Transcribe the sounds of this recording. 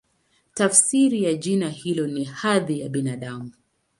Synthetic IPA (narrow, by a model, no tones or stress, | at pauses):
tafsiɾijaʄinahilɔnihaðijaɓinaɗamu